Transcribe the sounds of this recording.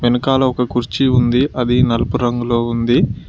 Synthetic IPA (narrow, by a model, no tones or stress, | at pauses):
ʋenɐkaːlɐɔkɐkuɾt͡ʃiund̪iʔɐd̪inɐlɐpuɾɐŋɡulo̞ːund̪i